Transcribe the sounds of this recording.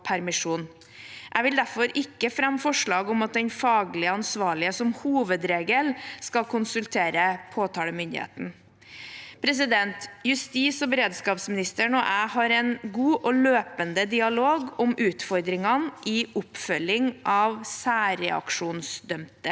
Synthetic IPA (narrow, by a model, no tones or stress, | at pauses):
pʰæɾmɪʂuːn | ʔæɪʋɪld̪æɾfɔɾʔɪkːəfɾɑmːfɔʂɭɑːɡɔmɑt̪̚d̪ɛɲfɑːɡlɪəɑnsʋɑːɭɪəsɔmhuːʋəd̪ɾeːɡəlskɑlkʰʊnsʉlt̪ʰeːɾəpʰoːt̪ʰɑːləmʏnd̪ɪ̰hḛːt̪n̩ | pʰɾɛs̬ɪd̪ɛnt̪jʉst̪iːsɔbəɾeːd̪skɑːpsmɪnɪst̪əɳɔʔæɪhɑɾɛnɡuːʔɔløːpənd̪əd̪ɪɑloːɡɔmʔʉːt̪fɔɾd̪ɾɪŋɑnʔɪʔʊpfœlɪŋʔɑʋsæːɾɛɑ̰kʂuːnsd̪œmt̪ə